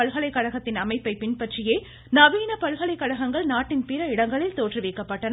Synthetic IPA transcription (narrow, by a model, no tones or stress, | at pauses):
ɐɭɣɐɭɐɪkːɐɻɐɣɐt̪ːɪnɐmɐɪpːɐɪpɪɳpɐʈrɪjeː | nɐʋiːnɐpɐɻɣɐɭɐɪkːɐɻɐɣɐŋɡɐɭnaːʈːɪnpɪɾɐɪɽɐŋɡɐɭɪlt̪oːʈrɯʋɪkːɐpːɐʈːɐn